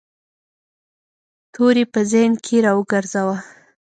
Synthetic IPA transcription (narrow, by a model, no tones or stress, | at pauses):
t̪ʰoɾepəzəjnkʰeɾɑwəɡəɾzawa